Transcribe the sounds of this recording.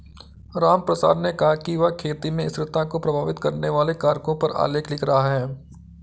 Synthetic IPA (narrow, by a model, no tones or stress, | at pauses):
ɾaːmpɾɐsa̰ːd̪nekɐɦakiʋakʰeːt̪imẽɪsɾɪt̪ãkopɾɐbʱaːʋɪt̪kɐɾneʋaːlekaːɾkõpɐɾa̰ːleːkʰlɪkʰɾɐɦaɦɛː